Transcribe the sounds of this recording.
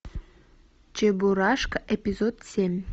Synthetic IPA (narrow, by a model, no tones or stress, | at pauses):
t͡ɕebuɾɑʃkepʲizod̪sʲemʲ